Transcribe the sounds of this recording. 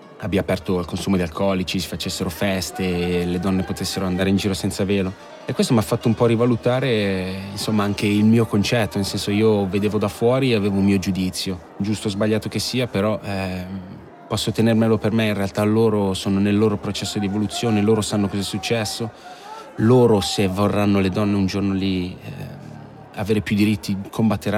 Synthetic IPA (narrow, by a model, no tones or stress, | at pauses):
abiapɛrt̪oalkonsuːmod̪ialkʰɔlit͡ʃisi̥fat͡ʃesːeɾofɛst̪eled̪ɔnːepot̪esːeɾoand̪aːɾeind͡ʒiːɾosɛnt̪saveːlo | ɛkːwest̪omafːat̪ːoumpɔrivalut̪aːɾeinsomːaaŋk̟eilmiːokont͡ʃɛt̪ːonelsɛnsoiːoved̪eːvod̪afːwɔːɾiaveːvoulmiːod͡ʒud̪it̪sːjo | d͡ʒust̪ozbaʎːaːt̪ok̟esːiːapeɾɔʔ | pɔsːot̪enermelopermeinrealt̪aloːɾosoːnonelːoːɾopɾot͡ʃɛsːod̪ievolut̪sːjoːneloːɾosanːokɔzɛsːut͡ʃːɛsːo | loːɾosevorːanːoled̪ɔnːeund͡ʒornolḭ | a̰veːɾepjud̪iɾit̪ʰːiikʰombat̪ːeɾa